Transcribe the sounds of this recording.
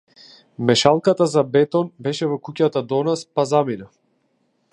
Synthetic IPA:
mɛʃalˠkat̪azabɛt̪ɔnbɛʃɛvɔkucat̪ad̪ɔnaspazamina

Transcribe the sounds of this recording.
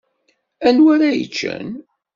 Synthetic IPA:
ænwæɾæjə̰t͡ʃːə̰n

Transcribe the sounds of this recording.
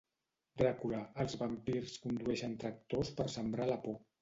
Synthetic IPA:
d̪ɾəkulaəlˠzβəmpirskund̪uɛʃənt̪ɾək̚t̪ospəɾsəmbɾaləpo

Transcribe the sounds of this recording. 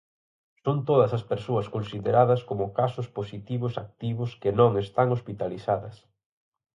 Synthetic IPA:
sont̪oðɐsɐspeɾsoɐskonsiðeɾaðɐskomʊkasʊsposit̪iβʊsak̚t̪iβʊskenõŋest̪aŋospit̪aliθaðɐs

